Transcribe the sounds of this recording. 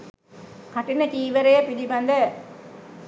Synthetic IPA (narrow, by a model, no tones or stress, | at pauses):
kaʈinət͡ʃiːʋəɾejəpiliband̪ə